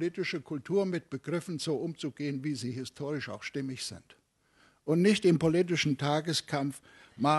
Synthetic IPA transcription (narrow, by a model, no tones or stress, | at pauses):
litɪʃəkʰʊltʰuːɐmɪt̚b̥əɡ̥ʁɪfn̩z̥oːʔʊmt͡suɡ̥eːənviːziːhɪstʰoːʁɪʃa̰ʊxʃtɪmɪçz̥ɪ̰nt | ʔʊntnɪçtɪmpoliːt̬ɪʃn̩tʰaːɡəskʰamf | ma